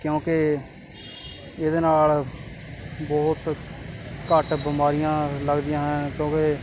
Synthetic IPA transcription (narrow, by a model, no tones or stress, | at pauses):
kjõːke | ɪd̪eːnaːl | bɔːt̪ | kəʈbɪmaːɾɪjãːləɡd̪ɪjãːɦənkjõːke